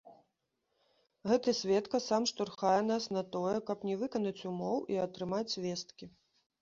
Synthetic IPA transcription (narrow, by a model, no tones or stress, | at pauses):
ɣɛt̪ɐsʲvʲɛt̪kɐsamʂt̪urxajɛnasnɐt̪ɔjɛkɐpnʲɛvɨkɐnɐt͡sʲumɔwiɐt̪ɾɨmat͡sʲvʲɛst̪kʲi